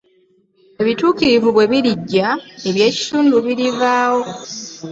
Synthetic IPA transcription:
e̞βituːciɾivuβwe̞βiɾiɟːae̞βje̞ːci̥tuːnduβiɾivaːwo̞

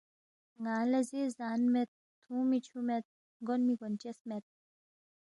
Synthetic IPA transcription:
ŋaːlɐzizaːnmet̪̚ːʰũːmit͡ʃʰumet̪̚ | ɡonmiɡont͡ɕesmet̪̚

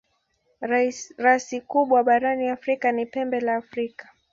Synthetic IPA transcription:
ɾasikuɓwaɓaɾaniafɾikanipɛmbɛlaːfɾikḁ

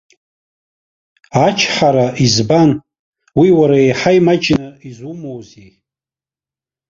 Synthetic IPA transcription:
at͡ʃʰħaɾaizban | wiwaɾaejħajmat͡ʃʼnaizumowze

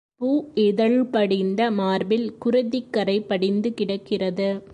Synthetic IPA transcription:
puːɪðɐɭpɐɽɪnd̪ɐmaːɾbɪlkʊɾɐðɪkːɐɾɐɪpːɐɽɪnd̪ɯkɪɽɐkːɪrɐðɯ

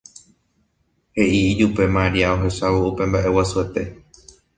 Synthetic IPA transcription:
he̞ʔid͡ʒupe̞maɾiaoɦe̞saβoupẽ̞mbaʔe̞wasue̞t̪e̞

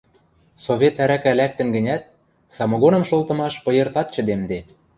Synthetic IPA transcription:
soβʲet̪æɾækælæk̚t̪ə̆nɡə̆nʲæt̪̚ | sɑmŏɣonɤ̆mʃolˠt̪ɤ̆mɑʃpɤ̆jɤ̆rt̪ɑt̪̚t͡ɕə̆d̪emd̪e

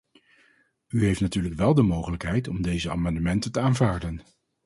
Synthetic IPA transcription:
yɦejftnatyːɹləkʋɛlˠdəmowχələkɦɛjtɔmdejzəa̰ːmɑndəmɛntətəaːnvaːɹdən

